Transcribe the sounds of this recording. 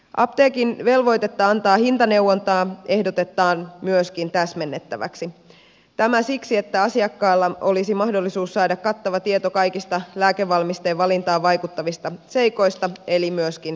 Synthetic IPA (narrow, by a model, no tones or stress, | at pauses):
ʔɑ̰pt̪eːkinʋe̞lʋo̞jt̪e̞t̪ːɑɑnt̪ɑːhint̪ɑne̞wːont̪ɑːe̞hdot̪e̞t̪ːɑːnmyøskint̪æsmenːet̪ːæʋæ̰ksi | t̪æmæsiksie̞t̪ːæɑsiɑkːɑːlːɑo̞lisimɑhdo̞lːisuːsːɑːdɑkkɑt̪ːɑʋɑt̪iet̪okɑjkist̪ɑlæːkeʋʋːɑlmist̪eʋʋɑlint̪ɑːʋʋɑjkut̪ːɑʋist̪ɑse̞jko̞jst̪ɑe̞limyøskin